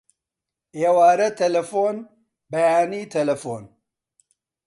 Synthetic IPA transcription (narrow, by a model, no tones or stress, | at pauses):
eːwaːɾɐt̪ʰɛlɐfoːn | bɐjaːniːt̪ʰɐlɐfoːn